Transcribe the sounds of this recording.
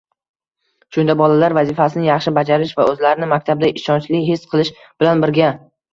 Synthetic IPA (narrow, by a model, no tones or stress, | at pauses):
ʃʊnd̪abɒlalaɾvazifasɪnɪjɑχʃɪbad͡ʒaɾɪʃvaɵzlaɾɪnɪmakʲt̪ʰabd̪aʔɪʃɒnt͡ʃlɪɦesqʰɨlˠɪʃ | b̥ɪlanbɪɾɡʲa